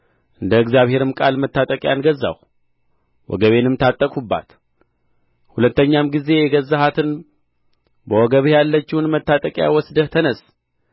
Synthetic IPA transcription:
ʔɨnd̪əɨkzjaβhe̞ɾɨmkʼalmət̪ːat̪ʼəkʼjanɡəzːa̰w | wɔ̰ɡəβe̞nɨmt̪ʰat̪ʼːəkʼubːa̰t̪ | hulət̪ːəɲːamɡize̞jɛɡəzːaɦat̪ʰɨn | bəwɔɡəβjalːət͡ʃːɪwunmət̪ːat̪ʼəkʼja̰wɔsd̪əht̪ʰənəs

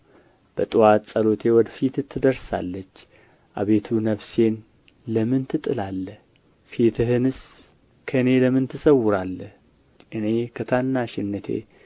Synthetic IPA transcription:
b̥ət̪ʼɨwat̪sʼəlo̞t̪ʰe̞wɔd̪fit̪ɨt̪ʰːɨd̪əɾsa̰lːət͡ʃː | ʔaβe̞t̪ʰunəβse̞n | ləmɨnt̪ʰɨt̪ʼɨlalːəh | fit̪ʰɨɦɨnɨs | kʰəɨne̞ləmɨnt̪ʰɨsəwʊɾalːəh | ʔɨne̞kʰət̪ʰanːaʃɪnːət̪ʰḛ

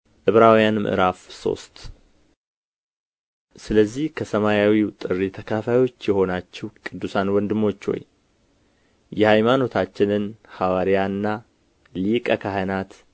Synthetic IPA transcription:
ʔɨβɾawjanmɨ̰ʔɨ̰ɾafso̰st̪ | sɨləzːihkʰəsəmajawiwt̪ʼɨrːit̪ʰəkʰafajo̞t͡ʃːjɛho̞nat͡ʃːɛwkʼɨd̪ːusanwɔnd̪ɨmːo̞t͡ʃːwo̰j | jɛhajmano̞t̪ʰat͡ʃːɪnɨnhawaɾijanːa | likʼəkʰaɦənat̪

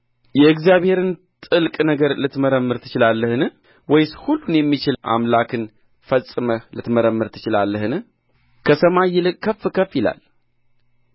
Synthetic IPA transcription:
jɛɨɡzjaβhe̞ɾɨnt̪ʼɨlkʼnəɡəɾlɨt̪məɾəmːɨɾt̪ʰɨ̥t͡ʃɪlalːəhɨn | wɔjshulːunjɛmːit͡ʃɪlʔa̰mlakʰɨn | fəsʼɨməlɨt̪məɾəmːɨɾt̪ʰɨ̥t͡ʃɪlalːəhɨnɨ | kʰəsəmajːɪlɨkkʰːəfɨkʰəfjɪla̰l

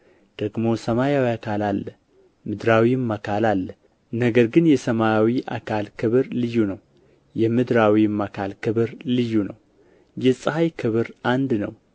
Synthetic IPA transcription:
d̪̥əɡmo̞səmajawiakʰalalːə | mɨd̪ɾawimːakʰalalːə | nəɡəɾɡɨnjɛsəmajawiʔa̰kʰalkʰɨβɨɾlɨjunəw | jɛmɨd̪ɾawimːakʰalkʰɨβɨɾlɨjːunəw | jɛsʼhajkʰɨβɨɾʔand̪nəw

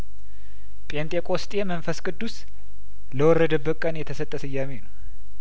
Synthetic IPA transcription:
pʼent̪ʼekʼost̪ʼemənfəskʼɨd̪ːus | ləwɔrːəd̪əbəkʼənjɛt̪ʰəsət̪ʼːəsɨjːamenəw

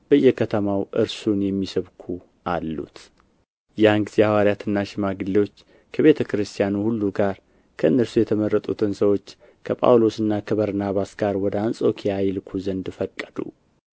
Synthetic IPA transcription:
b̥əjːɛkʰət̪ʰəmawʔɨ̰ɾsunjɛmːisəβkʰu | ʔalːṵt̪ | janɡɨz̥iawaɾjat̪ɨnːaʃɪmaɡɨlːewo̞t͡ʃː | kʰəβe̞t̪ʰəkʰɨɾɨst̪ʰijanuhulːuɡaɾ | kʰəɨnːəɾsujɛt̪ʰəmərːət̪ʼṵt̪ʰɨnsəwo̞t͡ʃː | kʰəpʼa̰wlo̞sɨnːakʰəβəɾnaβasɡ̥aɾwɔd̪əansʼo̞kʰijajlɨkʰuzənd̪fəkʼːəd̪ṵ

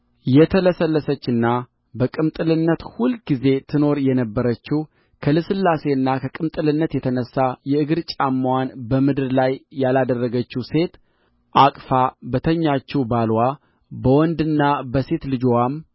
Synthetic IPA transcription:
jɛt̪ʰələsəlːəsət͡ʃːɨnːa | bəkʼɨmt̪ʼɨlɨnːət̪hulɡize̞t̪ʰɨno̞ɾjɛnəbːəɾət͡ʃːɪh | kʰəlɨsɨlːase̞ɨnːakʰəkʼɨmt̪ʼɨlɨnːət̪jɛt̪ʰənəsːajɛɨɡɨɾt͡ʃʼamːwanbəmɨd̪ɨɾlajːalad̪ərːəɡət͡ʃːuse̞t̪ | ʔakʼfabət̪ʰəɲːat͡ʃːubalwa | bəwɔnd̪ɨnːabəse̞t̪lɨd͡ʒowam

